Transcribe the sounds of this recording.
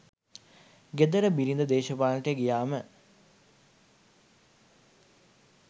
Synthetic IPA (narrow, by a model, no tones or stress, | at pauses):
ɡed̪ɐɾəbiɾind̪əd̪eːʃɐpaːlʈejɡijaːmə